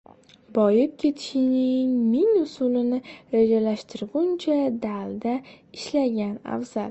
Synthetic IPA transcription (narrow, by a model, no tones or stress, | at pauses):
bɒjɪp̚kʲʰe̞t̪ʰɪ̥ʃɪnɪŋmɪŋʊsʊlɪnɪɾed͡ʒalaʃt̪ʰɪɾɡʊnt͡ʃʰad̪ald̪a | ɪʃlaɡʲana̰fz̥al